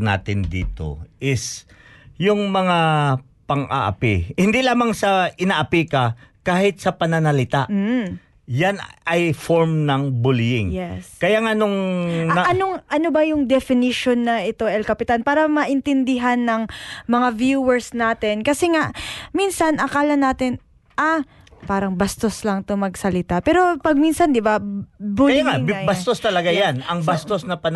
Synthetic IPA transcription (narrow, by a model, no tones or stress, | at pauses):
na̰ːt̪ɪnd̪ḭːt̪o̞̰ʔɪs | jʊŋmɐŋa | pɐŋʔa̰ʔɐ̰pɪhɪnd̪ilaːmaŋsɐɪnaʔɐpikɐkaːhɪt̪̚sɐpɐnɐnɐlɪt̪aʔm̩ː | janɐjfoɹmnɐŋbʊljɪŋjɛskɐjaŋanoŋnɐɐnoŋʔɐnobɐjʊŋd̪ɛfɪnɪʃonːɐʔɪt̪o̞ʔɛlkɐpɪt̪anpaːɾɐmɐʔɪnt̪ɪnd̪ɪɦanːɐŋmɐŋavjuwɛɹsnaːt̪ɛnkɐsɛŋaʔminsɐnʔɐkaːlɐnaːt̪ɪn | ʔa | paːɾɐŋbɐst̪o̞slɐŋt̪omɐɡsɐlɪt̪apɛːɾo̞pɐɡ̚minsɐnd̪ɪbabʊaŋaŋbɐt̪ost̪ɐlɐɡajanɐŋbast̪osnɐpɐn